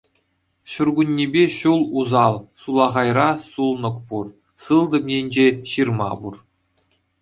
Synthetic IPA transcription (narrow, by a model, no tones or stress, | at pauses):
ɕurɡunʲːebʲeɕulˠuzɑlˠsulˠɑʁɑjrɑsulˠnɤ̆kpur | sɯlˠd̪ɤ̆mjenʲd͡ʑeɕirmɑ̰bur